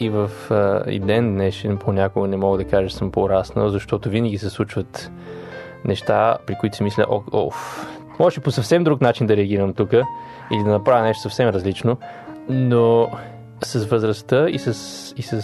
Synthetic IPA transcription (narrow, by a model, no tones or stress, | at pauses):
ivəfḭd̪ɛnd̪nɛʃɛnpʰonʲakʊɡənɛmɔɡəd̪ɐkaʒəɛ̥səmpoɾasnə̰lˠzɐʃt̪ɔt̪ʊvinəɡʲisɛslˠut͡ʃvət̪ | nɛʃt̪apɾikoʊit̪ʊsimislʲə̰ʔɔɔ̰f | mɔɛʃɛposɐfsɛmd̪ɾuknat͡ʃind̪ɐɾɛɐɡʲiɾəmt̪ukə | ilid̪ɐnɐpɾaviɐnɛʃt̪ʊ̥sɐfsɛmɾəzlit͡ʃno | no | sɐsvəzɾɐst̪əisəs | isə